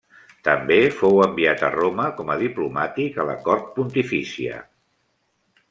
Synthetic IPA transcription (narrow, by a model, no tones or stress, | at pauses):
t̪əmbefowəmbiat̪ə̰roməkɔməðiplumat̪ikələ̰kɔɾt̪̚punt̪ifisiə̰